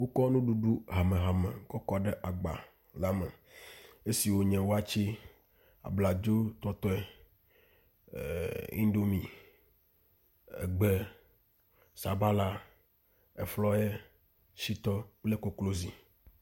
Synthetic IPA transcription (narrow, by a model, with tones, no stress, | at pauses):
wo˦kɔ˦nũ˦ɖu˦ɖu˦ɦa˨mẽ˨ɦa˨mḛ̃˨kɔ˦kɔ˦ɖɛ˦ʔa˨ɡ͡ba̰˨ | la˦mɛ̰˨ | e˦si˨wo˦ɲɛ̃˨wo˦a˦t͡ʃi˦ | a̰˨bla˨d͡ʒo˦t̪ɔ˦t̪ɔ˦ɛ˨ | ḭ̃˦ɖo˦mĩ˨ | ɛ̰˨ɡ͡be˦ | sa˨ba˦la˦ | ɛ˨flɔ˦jɛ˦ | si˦t̪ɔ˦k͡ple˦ko˨klo˦zi˨